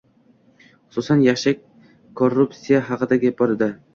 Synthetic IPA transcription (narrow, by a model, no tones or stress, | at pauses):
χʊ̥susanjaχʃak̚ʲ | kʰːorːupt̪sʲijaɦɑqɨd̪aɡʲabɒɾɪd̪a